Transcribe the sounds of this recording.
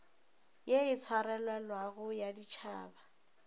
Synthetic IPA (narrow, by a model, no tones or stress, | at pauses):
jeɪt͡sʰwaɾɛlwɛlwaɣʊjadit͡ʃʰaːba